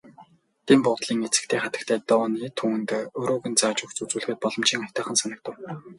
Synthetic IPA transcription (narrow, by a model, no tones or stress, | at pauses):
t̪ʰiːmpʊt̪ɮiːŋet͡sɘ̆k̚t̪ʰeːχat̪ə̆kt̪ʰæːt̪ɔːniːt̪ʰuːnt̪ːɵɾoːɣɘ̆nt͡saːt͡ɕʊ̆xt͡sut͡suːɮ̆xɘ̆t̪̚pɔɮɞ̆mt͡ɕiːŋɔj̥ʲt̪œːχə̆nsanə̆k̚t̪ə̆w